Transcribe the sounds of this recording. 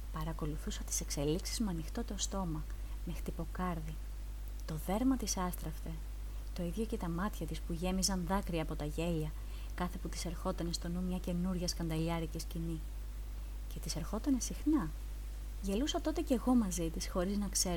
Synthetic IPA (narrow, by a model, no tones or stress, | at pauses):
pɐɾɐko̞luθusɐt̪i̥se̞kse̞liksizmɐnixt̪o̞t̪eost̪o̞mɐ | me̞xt̪ipo̞kɐɾði | t̪o̞ðe̞ɾmɐt̪isɐst̪ɾɐft̪e̞ | t̪o̞iðʝo̞ce̞t̪ɐmɐt̪çɐt̪ispuʝe̞mizɐnðɐkɾiɐːpo̞t̪ɐʝe̞ʎɐ | kɐθe̞put̪i̥se̞ɾxo̞t̪ɐne̞st̪o̞numɲɐce̞nuɾʝɐskɐnd̪ɐʎɐɾicescini | ce̞t̪ise̞ɾxo̞t̪ɐne̞sixnɐ | ʝe̞lusɐt̪o̞t̪e̞ce̞ɣo̞mɐzit̪isxo̞ɾiznɐkse̞ɾ